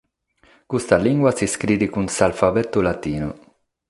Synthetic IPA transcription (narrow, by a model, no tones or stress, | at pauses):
kust̪aliŋɡwasiskɾiːd̪ikunsalfabɛt̪ːulat̪iːnṵ